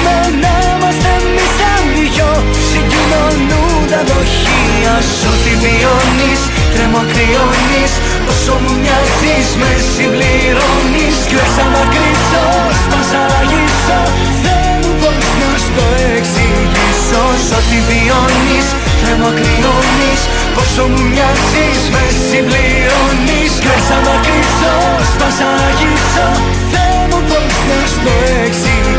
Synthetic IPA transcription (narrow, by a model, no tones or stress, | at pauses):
no | ne | mɐst̪emmisɐmiʝo | siɲɟinonu | d̪ɐðoç | i | ɐs | ot̪ivionis | t̪ɾemokɾionis | osomumɐzizmesivli | ɾonis | esɐnɐkɾiso | st̪osɐ | ʝiso | ðe | nupon | ust̪oeksi | ʝisosot̪ivi | onis | θemɐkɾiɾonis | posomuɲɐzismesimbli | ɾoniskesɐnɐkɾiso | st̪ɐsɐnɐʝipsɐ | θe | nupon | ust̪oeksi